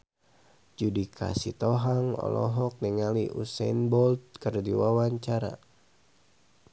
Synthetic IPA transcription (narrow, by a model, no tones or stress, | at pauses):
d͡ʒudikʰa̰sit̪ɔɦaŋɔ̰lɔ̰ɦɔk̚nɛŋaliʔṵsɛnbɔlt̪̚kərdiwawaɲt͡ʃaɾa̰